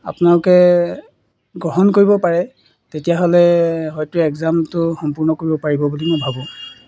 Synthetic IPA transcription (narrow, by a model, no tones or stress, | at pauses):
a̰pʊnalʊkɛ | ɡɹɔɦɔnkoɹibɔpaɹɛ | tetijaɦolɛɦɔjtʊɛɡzamtʊxɔmpuɹnɔkoɹibɔpaɹibɔbulimʊjbʱabɔ̃